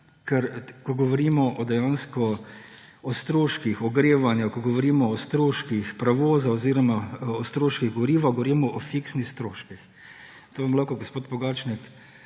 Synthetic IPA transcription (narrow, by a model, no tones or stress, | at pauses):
kɛɾkɔɡɔʋɔɾimɔʔɔd̪ɛjanskɔ | ɔst̪ɾoːʃkixɔɡɾeːʋanjukɔɡɔʋɔɾiːmɔːst̪ɾoːʃkixpɾaʋoːzaɔziːɾɔmaɔst̪ɾoːʃkiɣɡɔʋɔɾiːʋaɡɔʋɔɾimɔʔɔfiksnixst̪ɾoːʃkix | t̪oʋamlakɔɡospoːt̪bɔɡat͡ʃnik